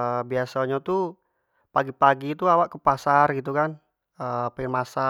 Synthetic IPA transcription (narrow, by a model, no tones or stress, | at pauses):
biasaɲat̪u | paɡipaɡit̪uawaʔkəpasarɡit̪̬ukan | əpaɪnmasa